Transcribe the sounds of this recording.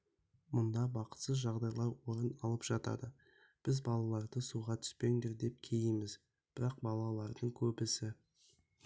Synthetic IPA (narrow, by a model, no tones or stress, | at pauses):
mʊnd̪ɑbɑqə̥t̪səzʒɑʁd̪ɑjlˠɑɾwo̞ɾənɑlˠəpʒ̥ɑt̪ɑ̰d̪ə | b̥ɪzbɑlˠɑlˠɑɾd̪əsuʁɑt̪ʰʏ̥spe̞ŋd̪e̞ɾd̪e̞p̚kʲʰe̞jɪmɪz | b̥ɪɾɑq̚bɑlˠɑlˠɑɾd̪əɴkʲʰɵbɪsɪ